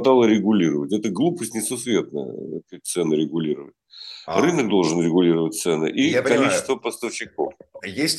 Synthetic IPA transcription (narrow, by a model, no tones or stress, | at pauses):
t̪alˠəɾʲɪɡʊlʲiɾəvətʲɛt̪əɡlˠupəsʲtʲnʲɪsʊsvʲe̞t̪nə̰kak̚t̪sɛnɨɾʲɪɡʊlʲiɾəvətʲrɨnək̚d̪o̞lˠʐɨnɾʲɪɡʊlʲiɾəvət̚ʲt̪sɛnɨ̰ʔikɐlʲit͡ɕɪ̥st̪vəpəst̪əfɕɪko̞̰fjesʲ